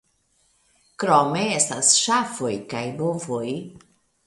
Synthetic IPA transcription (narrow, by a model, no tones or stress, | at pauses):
kɾomeestasʃafojkajbovoj